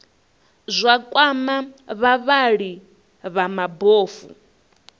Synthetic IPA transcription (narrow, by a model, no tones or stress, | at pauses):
zʷakʼwamaβaβaɺi | βamaboːfṵ